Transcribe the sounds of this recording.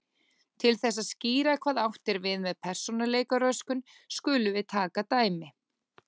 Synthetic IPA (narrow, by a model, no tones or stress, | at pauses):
t̪ʰɪlθɛsːaðsciːɾakʰv̥aːðawht̪ɛɾvɪðmɛðpʰɛr̥sɔnaleːjkaɾœskʏn | skʏːlʏvɪðt̪ʰaːkat̪aːjmɪ